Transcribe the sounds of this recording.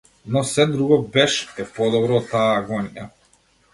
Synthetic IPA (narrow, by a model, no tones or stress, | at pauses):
nɔsɛd̪ɾuɡɔbɛʃɛpɔd̪ɔbɾɔːt̪ːaːɡɔnija̰